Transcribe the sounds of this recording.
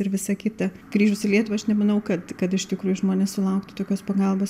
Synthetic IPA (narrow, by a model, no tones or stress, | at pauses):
ɪrʋʲɪsɐkʲɪt̪ɐ | ɡ̥ɾʲiːʒʊsɪlʲiɛt̪ʊʋɐɐʃnʲɛmɐnɐʊkɐt̪kɐt̪ɪʃt̪ʲɪkɾuːjʊʒmoːnʲeːssʊlˠɐʊkt̪ʊt̪oːkʲoːspɐɡɐlˠboːs